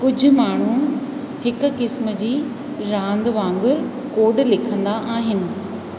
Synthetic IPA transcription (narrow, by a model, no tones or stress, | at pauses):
kʊd͡ʑʱʊ̆maːɳ̤u | hɪkʊ̆kɪsməd͡ʑiː | ɾãːnd̪ʋãːŋɡʊɾ | koːɖlɪkʰə̃nd̪aʔaːɦɪnɪ̆